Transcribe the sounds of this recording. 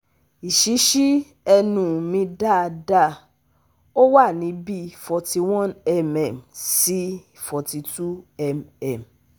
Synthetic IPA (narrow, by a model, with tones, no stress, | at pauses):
i˨ʃi˨˦ʃi˦ | ɛ˧nũ˨mĩ˧da˦˨˧da˦˨ | o˦wa˦˨nĩ˨˦bi˦fɔ˨˧ti˧w̃ɔ̃˦nɛ˨mɛ˨msi˦ | fɔ˨ti˧tu˦ɛ˦˨mɛ˨m